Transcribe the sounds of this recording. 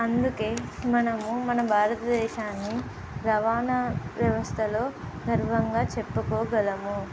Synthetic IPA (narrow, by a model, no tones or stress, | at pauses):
ɐnd̪uke̞ːmɐnɐmumɐnɐbʱaːɾɐt̪ɐd̪ɛːʃaːnːi | ɾɐʋaːnɐʋjɐʋɐst̪ʰɐlo̞ː | d̪ʱɐɾʋɐŋɡaːt͡ʃɛpːɐkɔːɡɐlɐmu